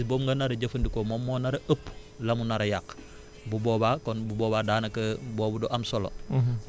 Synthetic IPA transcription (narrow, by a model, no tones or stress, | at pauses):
sboːmŋɡɐnɐɾɐɟɐfɐndikomomːoːnɐɾɐʔəpː | lɐmunɐɾɐjak | bubɔːbakɔnbubɔːbadaːnɐkɐboːbudoʔɐmsolo̰